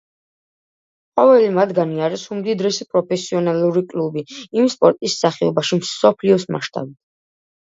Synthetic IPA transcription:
qʼɔvɛlimad̪ɡaniaɾɛsumd̪id̪ɾɛsɛpʼɾɔpʰɛsiɔnaluɾikʼlubiimspʼɔɾt̪ʼisːaχɛɔbaʃimsɔpʰliɔsma̰ʃt̪ʼa̰bit̪ʰ

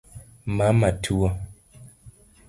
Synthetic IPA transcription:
mamatʰuwɔ

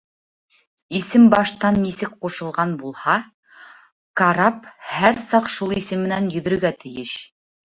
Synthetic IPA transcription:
isɘmbɑʃt̪ɑnːisɘk̚quʃɤ̆lˠʁɑnbulˠhɑ | kaɾɑphæɾsɑqʃulˠisɘmːɘ̆nænjɵ̆ðɵ̆ɾɵ̆ɡæt̪ɘ̆jɘʃ

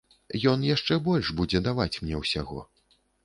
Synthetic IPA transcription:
jɔnjaʂt͡ʂɛbɔlʲʐbud͡zʲɛd̪avat͡sʲmnʲɛwsʲa̰ɣɔ̰

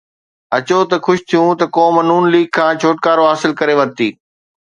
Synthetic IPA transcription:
ɐt͡ɕot̪ɐxʊʃt̪ʰijũt̪ɐkoːmənuːnliːɡ̚kʰãːt͡ɕʰoːʈ̚kaːɾoɦaːsɪlkɐɾeʋɐɾt̪iː

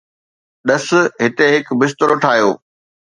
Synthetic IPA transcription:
ɗɐs̆ɦɪt̪eɦɪkbɪst̪əɾoʈʰaːɦjoː

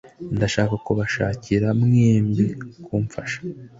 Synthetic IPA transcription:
ndaʃaːkakuβaʃaːciɾamŋeːmɟikʰuːɱfaʃḁ

